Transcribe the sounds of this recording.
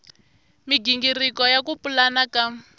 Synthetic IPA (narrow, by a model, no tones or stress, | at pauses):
miɡiŋɡirikɔjakupulanaka